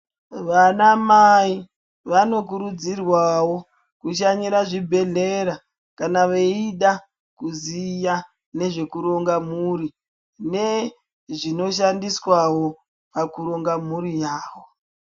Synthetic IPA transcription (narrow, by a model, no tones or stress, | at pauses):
ʋanamai | ʋano̞k̬uɾud͡zirwawo | kuʃaɲiɾaʐibʱe̞ɮeɾa | kanaʋeiɗa | kuzija | ne̞ʐe̞kuɾo̞ŋɡamuri | ne̞ | ʐino̞ʃandiswawo̞ | pakuɾo̞ŋɡamuɾijaːwo